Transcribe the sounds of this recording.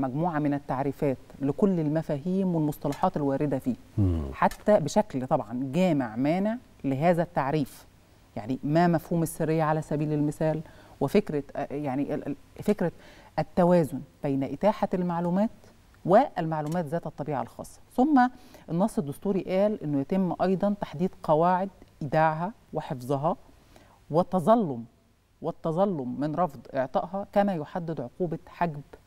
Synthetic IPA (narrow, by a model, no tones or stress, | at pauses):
mæɡmuːʕamɪnæt̪ːaʕɾiːfæːt̪lɪkolːelmæfæːɦiːmwelmosˤt̪ɑlɑħɑːt̪elwæːɾɪd̪æfiːħat̪ːæbeʃæklt̪ˤɑbʕɑnɡæːmeʕmæːneʕ | leɦæːzæt̪ːaʕɾiːf | ja̰ʕnimæmæfhuːmæsːɪrːejːæʕalæsæbiːlelmɪsæːlwefekɾæjaʕniʔfekɾæʔæt̪ːæwæːzʊnb̥æjnæʔɪt̪aːħalmaʕluːmæːt̪ | weʔælmaʕlumæːt̪zæːt̪æt̪ˤːɑbiːʕɑ̰lxɑ̰ːsˤːɑ̥sʊmːæʔenːɑsˤːed̪ːʊst̪uːɾiʔæːlʔɪnːʊjæt̪ɪmːʔɑjd̪ˤɑnt̪ḁħd̪iːd̪qɑwaːʕed̪̚ʔɪd̪aːʕɦæweħefzˤɑɦɑ | wet̪ːɑzˤɑlːom | wɪt̪ːɑzˤɑlːomːɪnɾˤɑfd̪ˤʔeʕt̪ˤɑʔɦɑkæmæjoħad̪ːɪd̪ʕoquːbɑħaɡb